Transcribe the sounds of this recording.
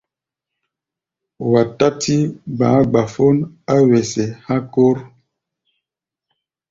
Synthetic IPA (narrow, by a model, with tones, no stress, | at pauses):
wa˨ta˦tʰi˦ɡ͡bãː˨˦ɡ͡ba˨fo˦n | a˦wɛ˨sɛ˨hã˦ko˦ɾ